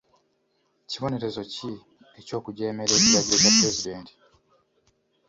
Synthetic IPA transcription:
ciβo̞ne̞ɾe̞zo̞ci | eco̞ːkuɟe̞ːme̞ɾe̞ːciɾaɟiɾo̞japɾe̞zide̞ːnti̥

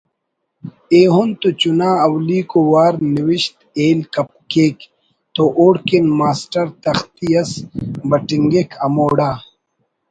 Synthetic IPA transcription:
eːɦont̪ut͡ɕunaːɐwliːkowaːɾniwiɕt̪eːlkɐp̚keːk | t̪oʔoːɽkenmaːsʈɐɾt̪ɐxt̪ijɐsbɐʈiŋɡekʰɐmoːɽaː

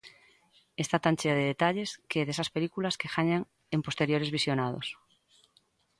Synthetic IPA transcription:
est̪at̪ant͡ʃeaðeðet̪aʎeskeðesaspelikulaskexaɲaŋ | empost̪eɾjoɾezβisjonað̞o̰s

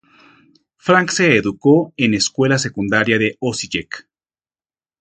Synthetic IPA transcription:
fɾaŋkseːðukoeneskwe̞lasekund̪aɾjaðeosiʝek

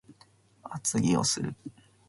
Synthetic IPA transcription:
at͡sɨɡʲio̰sɨɾɯ̟

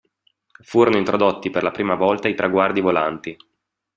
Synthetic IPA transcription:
fuːɾonoint̪ɾʔod̪ot̪ːiperlapɾiːmavɔlt̪ait̪ɾʔaɡward̪ivola̰nt̪i

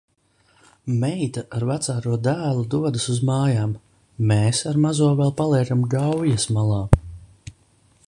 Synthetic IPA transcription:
mɛjt̪aʔaɾvat̪saːɾuɔd̪æːlˠud̪uɔd̪ɨsuzmaːjaːm | meːsaɾmazuɔvɛlˠpalˠiɛɡamɡawjasmalˠaː

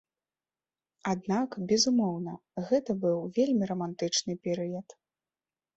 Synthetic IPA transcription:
ad̪nakbʲɛzumɔwnɐ | ɣɛt̪ɐbɨwvʲelʲmʲiɾɐmant̪ɨt͡ʂnɨpʲɛɾɨjɐt̪

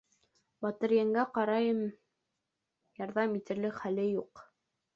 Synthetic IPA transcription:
bɑt̪ɤ̆ɾjæŋɡæqɑɾɑjɤm | jɑɾðɑmit̪ɘ̆ɾlɘkχælɘjuq

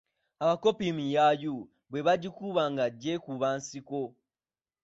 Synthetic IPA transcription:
aβako̞pimijaju | βwe̞βaɟikuβaŋɡaɟːe̞kuβaːnsiko̞

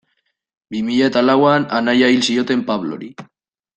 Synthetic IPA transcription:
bimiʎaet̪alawananajailsio̞t̪e̞mpaβlo̰ɾi

